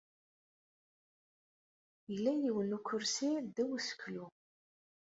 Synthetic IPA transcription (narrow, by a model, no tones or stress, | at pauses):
jəlːæjiwənukʰːʊɾsild̪æwəsə̥kːlu